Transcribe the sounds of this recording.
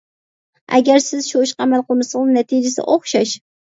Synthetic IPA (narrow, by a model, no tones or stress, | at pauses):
ʔæ̰ɡʲæɾsɪzʃoʃqʰɑmælˠqʊmɨsɨnɛt̪ʰɪd͡ʒɪsɪ̰ʔoχʃɑʃ